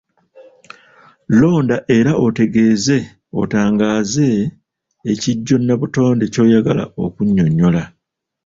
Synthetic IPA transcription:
lo̞ːndaʔe̞ɾaʔo̞te̞ɡe̞ːze̞ | o̞̰taːŋɡaːze̞ː | ciɟːo̞nːaβuto̞ːndeco̞ːjaɡala̰o̞̰kuɲːo̞ɲːo̞la

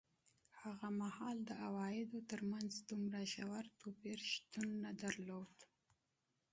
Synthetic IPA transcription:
haɣamahɑld̪əʔawɑjɪd̪ot̪əɾmanzd̪umɾaʃawaɾt̪opeɾʃt̪unːad̪aɾlod̪

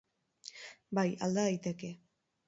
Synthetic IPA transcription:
baja̰ld̪aðajt̪e̞ke̞

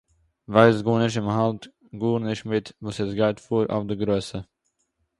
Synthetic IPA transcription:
vaɪsɡoːnɪʃ̬tɪmhalt | ɡuːnɪʃtmɪtvuːsɛsɡaɪtfuːɾʔa̰ʊfdəɡɾøːsə

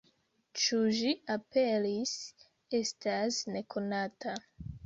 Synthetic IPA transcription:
t͡ʃuʒiape̞lis | e̞stasne̞kʰo̞nata

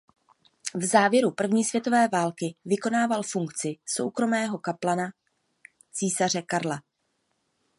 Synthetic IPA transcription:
vzaːvjɛɾupr̩vɲiːsvjɛt̪o̞vɛːvaːlkɪvɪko̞naːvalfuŋkt͡sɪso̞̰wkɾo̞mɛːɦo̞kaplana | t͡siːsar̝ɛkaɾla

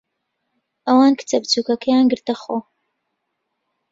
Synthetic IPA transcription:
ʔɐwaːnkʰɨ̥t͡sʰɐbt͡suːkɐkɐjaːnɡɨɾt̪ɐχoː

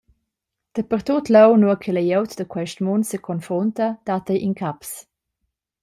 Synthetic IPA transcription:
d̪̥əpərt̪ut̪lɛwnuəkʰɛləjɛwt̪d̪əkwɛʃtmuntsəkʰɔnfɾɔnt̪əd̪̥at̪əjʔinkʰaps

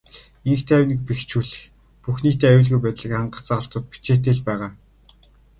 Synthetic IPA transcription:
iŋxt̪ʰeæwʲnɘ̆k̚pext͡ɕʰuːɮɘ̆x | puxniːt̪eːæwʊ̆ɮɣujpæːt̪ɮə̆kχaɴɢə̆χt͡saʁə̆ɬt̪ʊːt̪̚pi̥t͡ɕeːt̪eːɮpæːʁaː

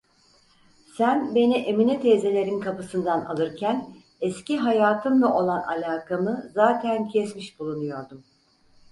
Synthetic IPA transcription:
sænbe̞niʔeminɛt̪ʰeːze̞lʲeɾinkʰapɯsɯnd̪ana̰lˠɯɾcʰæn | ɛsciɦajaːt̪ʰɯmlˠaʔo̞lˠana̰lʲaːkʰamɯzaːt̪ʰæncʰɛsmiʃbulˠunujo̞ɾd̪um

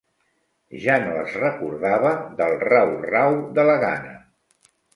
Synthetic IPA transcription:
ʒanoə̰zrəkuɾðaβəðəlˠrawrawðələɣa̰nə

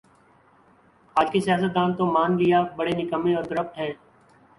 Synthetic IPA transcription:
aːd͡ʒkesɪjaːsət̪̚d̪aːnt̪õmaːnlɪjaːbəɽenɪkəmẽɔːɾt̪əɾəp̚ʈ̪ɦɛ̃ː

